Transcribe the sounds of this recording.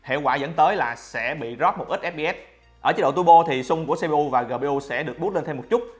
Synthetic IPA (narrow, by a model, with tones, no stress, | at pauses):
hḛ˧˨kwaː˧˩zə̰˧˥nt̪əː˨˦jlaː˨˩sɛ̰˧˥ɓḭ˧˨zɔ˦˥p̚mo˨˩t̚ʔi˦˥k̟̚ʔɛ˦˥p̚ɓi˧ʔɛ˦˥t̚ | ʔəː˧˩t͡ɕi˨˦˥ɗo̰˧˨t̪u˧ɓo˧t̪ʰi˨˩sʊ˧ŋ͡mku˧˩əse˧ɓe˧ʔu˧vaː˨˩ɣəː˨˩ɓe˧ʔu˧sɛ̰˧˥ɗɨ˨˩ək̚ɓu˦˥t̚le˧nt̪ʰɛ˧wmo˨˩t̚t͡ɕʊ˦˥t̚